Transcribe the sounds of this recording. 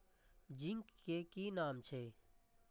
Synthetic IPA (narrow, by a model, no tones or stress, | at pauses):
d͡ʒɪŋkːekiːnaːmt͡ʃʰeː